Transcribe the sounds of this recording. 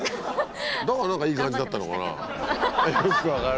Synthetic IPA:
d̪akanãŋkaiːkãɲd͡ʑid̪at̪ːano̞̰ka̰na̰ | aosɨ̥kɯβaka

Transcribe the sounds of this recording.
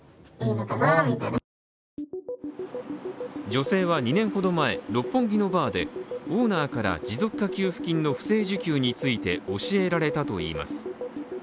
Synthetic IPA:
nok̪anamit̪aɾ | d͡ʑo̞se̞ːβaɲ̟inẽ̞ɰ̃ho̞d̪o̞mae̞ɾo̞pːõ̞ŋɡʲino̞baːd̪e̞oːnaːkaɾa̰d͡ʑizo̞kːakʲɨːɸɯ̟̥kʲĩnːo̞ɸɯ̟̥se̞ːʑɨkʲɨːɲ̟it͡sɨit̪e̞o̞ɕie̞ɾaɾe̞t̪at̪o̞ḭːma̰sɨ̥

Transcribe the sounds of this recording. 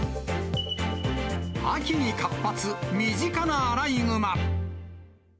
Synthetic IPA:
a̰kʲiɲikapːat͡sɨmʲiʑikanaːɾaiŋɯma

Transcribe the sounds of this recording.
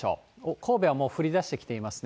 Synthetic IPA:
o̰ːokʰo̞ːbe̞β̞amo̞ːɸɯ̟ɾʲid̪aɕi̥t̪e̞kʲi̥t̪e̞imasɨ̥n

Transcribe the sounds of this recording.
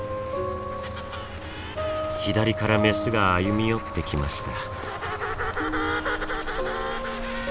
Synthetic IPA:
çid̪aɾʲikaɾame̞sɨɡaːjɯmʲijo̞t̪ːe̞kʲima̰ɕi̥t̪a

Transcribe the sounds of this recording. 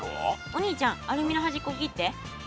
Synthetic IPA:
o̰ | oɲ̟iːt͡ɕãŋ̃aɾɯmʲinaɦaʑikoɡʲit̪ːe

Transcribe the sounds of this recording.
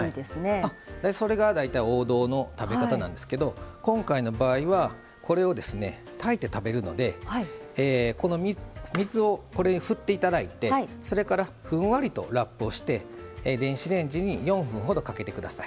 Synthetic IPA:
aid̪esɨnead̪eso̞ɾe̞ɡad̪ait̪aio̞ːd̪o̞ːno̞t̪abe̞kat̪anã̰nd̪e̞sɨ̥ke̞d̪o̞kõ̞ŋkaino̞baːiβa | kʰo̞ɾe̞o̞d̪e̞sɨne̞̰ | t̪ʰait̪e̞t̪abe̞ɾɯ̟no̞̰d̪e̞aiːko̞no̞mʲimʲizɨo̞ko̞ɾe̞ɲiɸɯ̟t̪ːe̞it̪ad̪ait̪e̞iso̞ɾe̞kaɾa | ɸɯ̟̃ɰ̃βaɾʲit̪o̞̰ɾapːɯ̟o̞ɕi̥t̪e̞ | d̪ẽ̞ɰ̃ɕiɾẽ̞ɲ̟d͡ʑiɲ̟ijõ̞ɰ̃ɸɯ̟̃ɰ̃ɦo̞d̪o̞kake̞t̪e̞kɯ̟d̪asai̥

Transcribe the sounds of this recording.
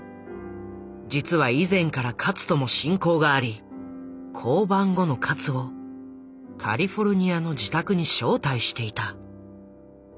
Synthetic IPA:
d͡ʑit͡sɨβaizẽ̞ŋkaɾakʰat͡sɨ̥t̪o̞mo̞ɕĩŋko̞ːɡaːɾʲi | kʰo̞ːbãŋɡo̞no̞kʰat͡sɨo̞ | kʰa̰ɾʲiɸo̞ɾɯ̟ɲ̟iano̞d͡ʑit̪akɯ̟ɲ̟iɕo̞ːt̪aiɕi̥t̪e̞it̪a

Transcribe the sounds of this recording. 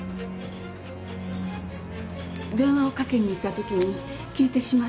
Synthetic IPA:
d̪ẽ̞ɰ̃βao̞kake̞ɲ̟ːiːt̪ːat̪o̞kʲiɲ̟i | kʲiːt̪e̞ɕima

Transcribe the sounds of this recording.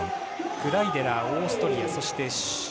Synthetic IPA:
kɯ̟ɾaid̪e̞ɾaoːsɨ̥t̪o̞ɾʲiaso̞ɕi̥t̪e̞ɕ

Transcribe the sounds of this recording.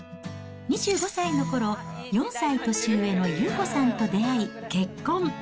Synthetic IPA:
ɲ̟iʑ̥ɨːɡo̞saino̞ko̞ɾo̞jõ̞ɰ̃sait̪o̞ɕɨːe̞no̞jɯːko̞sãnt̪o̞d̪e̞aike̞kːõ̞ŋ

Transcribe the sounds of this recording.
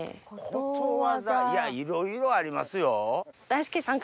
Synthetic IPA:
kʰot̪oβazajaiɾoiɾo̞aɾʲima̰sɨjod̪̥ajsɨ̥kesãŋk

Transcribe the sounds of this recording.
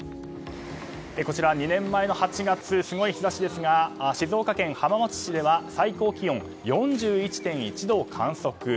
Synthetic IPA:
eko̞t͡ɕiɾaɲ̟inẽ̞mːaeno̞hat͡ɕiɡat͡sɨsɨɡo̞içizaɕid̪e̞sɨɡaɕizo̞ːkakẽ̞ɰ̃hamamo̞t͡si̥ɕid̪e̞βasaiko̞ːkʲijõ̞ŋ | jõ̞ɲ̟d͡ʑɨːit͡ɕi̥t̪ẽ̞ɰ̃it͡ɕid̪o̞ːkʰãɰ̃so̞kɯ̟

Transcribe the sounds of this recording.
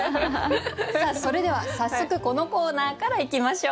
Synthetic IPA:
saːso̞ɾe̞d̪e̞β̞asasːo̞kɯ̟ko̞no̞ko̞ːnaːkaɾaikʲimaɕo̞ː

